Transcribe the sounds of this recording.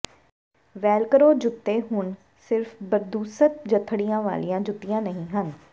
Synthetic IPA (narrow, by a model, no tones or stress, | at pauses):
ʋɛːlkəɾoːd͡ʒʊt̪ːeːɦʊn | sɪɾfbəɾd̪uːsət̪̚d͡ʒət̪ʰɽijãːʋa̰ːlijãːd͡ʒʊt̪ːijãːnəɦĩːɦən